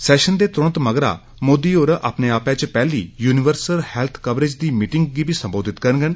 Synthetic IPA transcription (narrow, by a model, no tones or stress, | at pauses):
sɛːʃənd̪eːt̪ɾʊnət̪məɡɾa̰ː | moːd̪iːoːɾʔa̰ːpneːaːpɛ̃ːt͡ʃpɛːliːjuːnɪʋəɾsəlhɛːlt̪ʰkəʋɾed͡ʒd̪iːmiːʈɪŋɡɡiːbʱiːsəmboːd̪ɪt̪kəɾnɡən